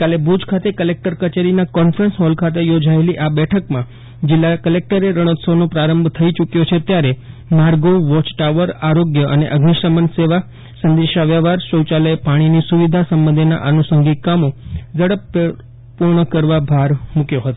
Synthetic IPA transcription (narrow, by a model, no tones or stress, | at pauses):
kalebud͡ʒkʰat̪ekəlek̚ʈəɾkət͡ʃeɾinakɔnfɾənsɦɔlkʰat̪̬ejod͡ʒaeliʔabɛʈʰəkmã | d͡ʒɪlːakəlek̚ʈəɾeɾəɽ̃ət̪sonopɾaɾəmbʱt̪ʰəit͡ʃukjot͡ʃʰet̪jaɾe | maɾɡoʋɔt͡ʃʈaʋəɾaɾoɡjəʔənḛʔəɡniʃəmənseʋa | sənd̪eʃaʋjaʋaɾʃəwt͡ʃaləjepaɽ̃inisuʋid̪ʱasəmbənd̪ʱena̰ʔənusəŋɡikamod͡ʒəɽəp | puɾɳəkəɾʋabʱaɾmukjoɦət̪o